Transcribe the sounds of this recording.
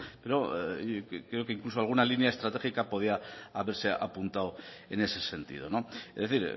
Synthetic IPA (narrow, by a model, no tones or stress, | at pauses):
pe̞ɾo̞ | kɾe̞okeiŋklusoalɣ̞unalinjaest̪ɾat̪e̞xikapoð̞iaaβe̞ɾse̞ʔa̰punt̪awe̞ne̞se̞se̞nt̪ḭðo̞̰no̞ezðe̞θiɾ